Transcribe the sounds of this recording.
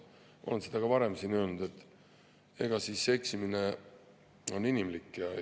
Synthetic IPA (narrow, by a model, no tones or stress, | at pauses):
ʔo̞̰lensed̪̥ɑɡ̥ɑvɑɾe̞msiːnø̞ːlnud̪̥e̞t̪ːˑ | e̞ɡ̥ɑsiːsːe̞ksimine̞ | o̞nːinimlikːˑjɑ